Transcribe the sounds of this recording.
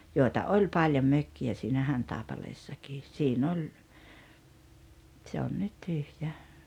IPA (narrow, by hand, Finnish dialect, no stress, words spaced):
joˑi̞tɑ olʲ pɑlʲjom møkːiæ siːnæ hɑntɑˑepɑleːsːɑkiːs siːn olʲ tse on nyt tyhjæ